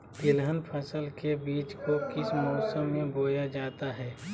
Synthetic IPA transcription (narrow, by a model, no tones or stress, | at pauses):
t̪ɪlɦənpʰəsəlkebiːt͡ʃkokɪsmɔːsə̃mːẽboːjad͡ʒaːt̪aɦɛː